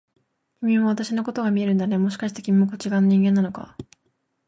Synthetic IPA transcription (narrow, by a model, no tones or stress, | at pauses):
kʲimʲĩβaβ̞at̪aɕino̞ko̞t̪o̞ɡamʲie̞ɾɯ̟nd̪ane̞mo̞ɕ̬i̥kaɕi̥t̪e̞kʲimʲimokot͡ɕiɡãnoɲĩŋɡẽ̞nːano̞ka̰